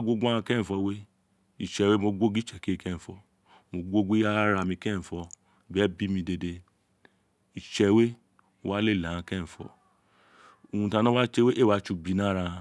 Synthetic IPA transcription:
ɡʷo˦ɡ͡bu˦a˦ã˧kɛ˦˨fɔ˧we˦ | i˨t͡ʃɛ˨we˦mo˧ɡʷo˦ɡi˦t͡ʃɛ˨ke˦˧kɛ̃˦˨fɔ˧ | mo˧ɡʷo˦ɡi˦a˦ɾa˧mĩ˧kɛ˦˨fɔ˧˨ | bɛ˦bi˦mĩ˧de˧de˧ | i˨t͡ʃɛ˧˨we˦ | o˧wa˦le˦˨ɛ˨ã˧kɛ˦˨fɔ̰˧˨ | o˨ũ˧tã˧nã˦a˦t͡ʃe˧we˦ʔe˦˨wa˧˦t͡ʃu˧bi˧nã˦ɾa˧a˧

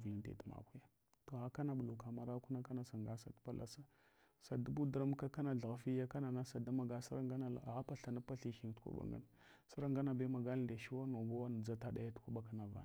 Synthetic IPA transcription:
vli˨ntḛ˨tma̰˨ku˦ja˦ | to˨a˦ka˦na˦bu˨lu˨ka˨ma˨ɾa˦ku˦na˦ka˦na˨sa˨ŋɡa˦sa˨tpa˦lʔa̰˨sa˦ | sa˨da˦bu˦dɾa˦m˦ka˦ka˦na˨ɮa˨ɣa˨fi˦ja˦ka˦na˨na˦sa˨da˦ma˨ɡa˦sa˦ɾa˦ŋɡa˦na˦la̰˨a˨a˦pa˦ɬa˨na˦pa˦ɬi˨xi˨ŋ˨tu̥˦kʷṵ˦ɓa̰˨ŋɡa̰˦n | sa˦ɾa˦ŋɡa˦na˨be˦ma˨ɡa˦lnda˨ʃi˦wa˦no˨ɡa˦wa˦n˨d͡za˦ta˦da˦ja˦tu̥˦kʷa˦ɓa˨ka˨na˨va̰˨n˨

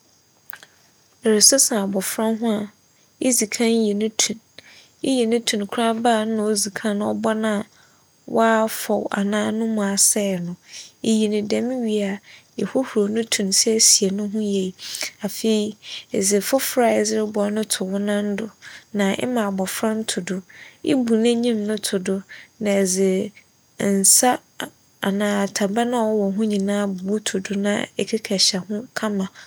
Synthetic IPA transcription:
e˨ɾe˨sʊ˦sã˨a˨bɔ˨fɾã˦ɦʊ̃˦a˨ | e˦zi˨kʰã˦n˦jɛ˨nʊ̃˦tʰũ˨n | e˦jɛ˨nʊ̃˦tʰũ˨n˨kʰɾa˦baː˦˨n˦ʊ̃˨˦o˦zi˨kʰã˦ñ˦ɔ̰˦bɔ˦nã˨ | wʔaː˦fɔ˨wa̰˨nãː˦nʊ̃˦mʊ̃˨a˨sɛ˦˨nʊ̃˨e˨ji˨nɪ̃˨dɛ˦m̃˦ɥi˨a˨ | ɛ˨hʊ˦hu˨ɾo˨nʊ̃˦tʰũ˨nsɛ˦si˨e˨nʊ̃˦ɦʊ̃˦je˨i˨a˨fe˨i˨e˨zɪ˨fʊ˦fɾa˨ɛ˨zɪ˦ɾɪ˦bɔ˨˦nʊ̃˦tʰʊ˨wʊ˦nã˦n̩˦dʊ˨nã˨ʔɛ̰˦mã˨bɔ˨fɾa˦n̩˦tʰʊ˨dʊ˨ḭ˦bu˨nɛ̃˦ɲĩ˦mnʊ̃˦tʰʊ˨dʊ˦nã˨ɛ˨d͡zɪ˨ | n̩˨sa˦˨ | a˨nãː˨tʰa˨ba˦nã˦wɔ˦wɔ˨ɦʊ̃˦ɲĩ˨nãː˦bu˨u˦tʰʊ˨dʊ˦nã̰˦ɛ˦kʰɛ˦kʰɛ˨ɕa˨hʊ̃˦kʰa˦mã˨

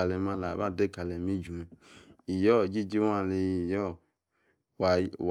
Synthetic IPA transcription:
a˨le˨ma˧la˨βa˦˨de˦˨ka˨le˨mi˦d͡ʒu˨me˨i˨jɔ˦˨d͡ʒi˦d͡ʒi˦wa˦˨le˧jjɔ˦˨ | w

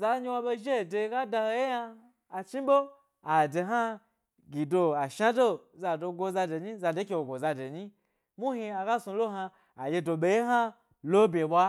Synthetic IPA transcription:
za˧ɲi˧wa˧be˧ʒe˦˨de˧ɡa˦da˧ho˧je˦ja˧ | a˨t͡ʃi˦bo˦ | a˨de˨ɦa˦ | ɡʲi˨do˧a˨ʃa˦do˦˨za˧do˧ɡʷo˧za˧de˨ɲi˦za˧de˦kʲe˧wo˨ɡʷo˨za˧de˨ɲi˦ | mu˦hi˧a˧ɡa˦su˧lo˦ɦa˧ | a˨je˧do˧ɓe˧je˦ɦa˦ | lo˦bʲe˨ɓʷa˦

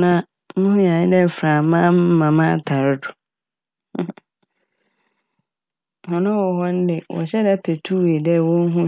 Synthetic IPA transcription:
nã˦ | nʊ̃˦hʊ̃˦ɲã˨ɲɪ̃˦dɛ˦˨fɾã˨mã˦m̩˦mã˨mã˦˨tʰa˨ɾɪ˦dʊ˨˦˨ | hɔ̃˨nʊ̃˦wɔ˨ɦɔ˦n̩˦dɪ˨wʔɔ̰˨ɕɛ˦dɛ˦pʰe˨tʰu˦we˨dɛ˦˨wɔ̃˦n̩˦ɦũ˦

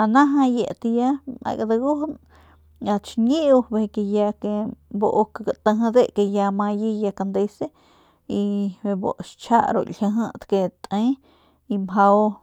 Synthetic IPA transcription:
ana˦ɦa˦je˨ʔt̪ja˦ma̰˧jɡa˧d̪aɡu˦hn | a˧t͡ʃɲi˦u˧be˧ke˧ja˧ke˧boʔkaɡa˨t̪ə˧ɦd̪e˦ʔke˧ja˧ma˧ji˦ja˧ka˧nd̪e˧se˦ | i˧ebo̰˨ʔʃt͡ʃʰa̰˦ʔɾo̰˧hʲə˧ɦə˦t̪ke˧t̪e˦ | i˧mɦa˧w

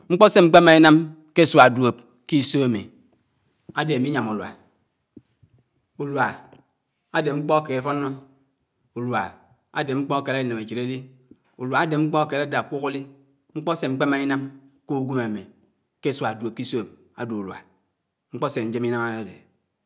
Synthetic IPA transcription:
ŋ͡m̩˦k͡pɔ˦se˦ŋ͡m̩˦k͡pe˦ma˨i˦na˦m | ke˦swa˨dwo˨p̚ | ki˦so˦a˨mḭ˨ | a˨de˨mi˦ɲa˨mu˨lwa̰˨ | u˨lwa˨ | a˦de˨ŋ͡m̩˦k͡pɔ˦ke˨e˦fɔ˦nːo˦ | u˨lwa˨ | a̰˦de˨ŋ͡m̩˦k͡pɔ˦ke˨ɾa˦i˨ne˨me˨t͡ʃi˨ɾe˦li˦ | u˨lwa˨a˦de˨ŋ͡m̩˦k͡pɔ˦a˦˨ke˨ɾa˦da˨k͡pu˦ko˦li˦ | ŋ͡m̩˦k͡pɔ˦se˦ŋ͡m̩˦k͡pe˦ma˨i˦na˦m | ko˦ɡʷu˦ma˨mi˨ | ke˦swa˨do˨p̚ki˦so˦˨ | a̰˨du˨u˨lwa̰˨ | ŋ͡m̩˦k͡pɔ˦se˨˦d͡ʒe˦mi˦na˦ma˦a˦dḛ˨

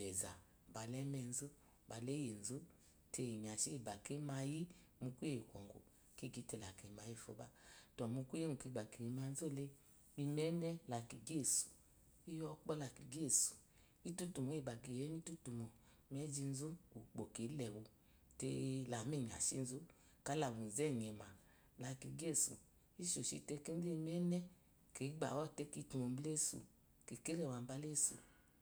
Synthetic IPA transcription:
bɛ˨za˨ | ba˨lɛ˦mɛ˧n̩˦zu˦ | ba˨le˦je˨n̩˨zu˦ | te˧˨ɲ˨a˨ʃi˦i˨ba˨ke˦ma˧ji˦ | mu˧kʷu˦e˨kʷɔ̰˨ŋɡo̰˨ | ki˦˨ɡi˨˦te˧la˨ke˨ma˧ji˦˨fo̰˨˧˦ba˦tɔ˨mu˧kʷu˦e˦ŋu˨ki˧˨ɡ͡ba˨ke˨i˨˦ma˧n̩˦zu˦˧le˧ | i˧mɛ˨˦nɛ˦la˨ki˨ɡe˦˨su̥˨ | i˦jɔ˧k͡pɔ˦la˨ki˨ɡe˦˨su̥˨ | i˦tu˦tu˨mo˨˦e˨ba˨ɡe˨jɛ˦ni˦tu˦tu˨mo˨˦ | m˦ɛ˦d͡ʒi˧n̩˦zu˦o˨k͡po˨ke˨˦lɛ˨wo˧ | te˧la˨me˦˨ɲ˨a̰˨ʃi˦˧n̩˦zu˦ | ka˨˦la˨wu˨n̩˨zɛ˦˨ɲ˨ɛ˨ma˨ | la˧ki˨ɡe˦˨sṵ˨ | i˦ʃo˨ʃḭ˧te˧˦ke˦e˦i˧mɛ˦nɛ˦ | ke˨˦ɡ͡ba̰˨wɔ˦˨te˦ki˧˦tu˧mo˧m̩˦ble˦˨sṵ˨ | ke˨ke˦ɾɛ˦˨wa˧m̩˦ba˧˦le˦˨sṵ˨

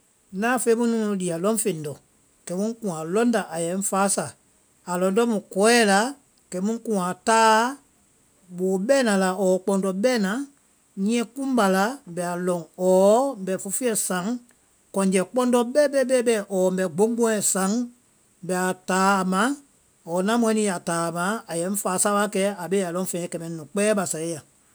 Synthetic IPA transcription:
nãː˦fe˦mũ˦nũ˦ũ˧li˨a˨lɔ̃˦ŋ˦fe˨n˨dɔ˨ | kɛ˨˦mũ˦kũ˨ã˨lɔ̃˦nda˨ʔa˨jɛ˨˦n˦faː˨˦sa˨ | a˨lɔ̃˨ndɔ˦mũ˨kɔ˨˦ɛ˦la˨˦ | kɛ˨˦mũ˦kũ˨a˨taː˦ | ɓoː˨˦ɓɛː˦nã˨˧la˨ɔː˨˦k͡pɔ̃˧ndɔ˧ɓɛː˦nã˨˦ | ɲĩ˦ɛ̃˧˦kũ˦m˦ba˨la˨˦bɛ˨a˨lɔ̃˨ŋɔː˨˦mbɛ˨fo˧fi˦ɛ˨sã˨˦ŋ | kɔ̃˨ɲd͡ʒɛ˨k͡pɔ̃˦ndɔ˧ɓɛː˦ɓɛ˦ɓɛː˦ɓɛ˦˨ʔɔː˨mbɛ˨ɡ͡bo˨˦ɡ͡bõ˦ɛ̃˨sã˨˦ŋ | bɛ˨a˨taː˨˦˨mã˨˦ | ɔː˨nã˦mũ˧ɛ̃˨˦nĩ˧˦a˨taː˨mã˨˦a˨jɛ̃˨˦n̩˦faː˨˦sa˦a˦kɛ˧˦a˨ɓe˦a˨lɔ̃˧˦fɛ̃˨ɛ̃˨kɛ˨mɛ̃˨˦nũ˨k͡pɛː˦ɓa˨sa˨e˦a˨

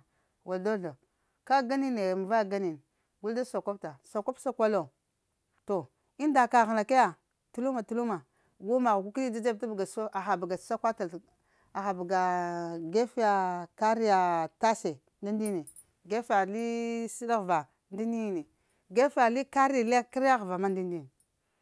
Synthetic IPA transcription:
wa˨ldo˦da˨ | ka˦ɡa˦ni˦ne˨m˨va˦˨ɡa˦ni˨n˨ | ɡu˦lda˦so˨ko˦p̚ta˨so˨ko˦psa˦kʷa˦lo˨ | to˨ | i˦n˦da˨ka˨ɣa˨na˨ka˦ja˨ | tu˦lu˦ma˨tu˨lu˦ma˨ | ɡu˦ma˨ɣku˦ki˦li˦d͡ʒa˦d͡ʒa˦b̚ta˦bɡa˨˦so˦ʔa˨xa˨ba˨ɡḁ˨˦sa˦kʷa˦ta˨l | a˨xa˨bɡa˨ɡe˦fi˦ja˨ka˦ɾi˦ja˨ta˦se˨ | nda˦ndi˦ne˨ | ɡe˦fa˨li˦si˦da˦ɣva˨ | ndi˦ni˦˨ne˨ | ɡe˦fja˨li˦ka˦ɾi˦a˨le˦ki˦ɾa˦ɣva˨ma˦n˦di˦ndi˦n˨

